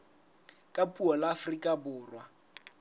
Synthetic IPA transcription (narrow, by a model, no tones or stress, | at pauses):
kʼapʼuɔlaːfrikʼabʊːrwa